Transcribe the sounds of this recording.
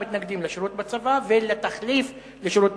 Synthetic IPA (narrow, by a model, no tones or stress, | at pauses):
it̪naɡd̪imleʃiɾut̪bat͡savavelet̪aχlif | leʃiɾut̪̚